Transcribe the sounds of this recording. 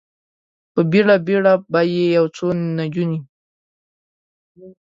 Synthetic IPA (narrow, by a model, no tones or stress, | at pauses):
pəbeɽabeɽabajejawt͡sonad͡ʒuni